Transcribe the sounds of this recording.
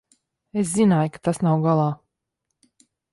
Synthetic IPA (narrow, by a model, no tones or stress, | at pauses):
es̬zinaːjkḁt̪asnawɡalˠɑː